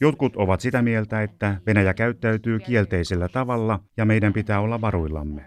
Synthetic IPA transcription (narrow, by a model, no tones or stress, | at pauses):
jo̞t̪̚kut̪oʋɑt̪sit̪æmie̞lt̪æet̪ːæʋe̞næjækæyt̪ːæyt̪yːkie̞lt̪eiselːæt̪ɑʋɑlːɑjɑme̞idæmpit̪æːo̞lːɑʋɑɾuilːɑ̰mːe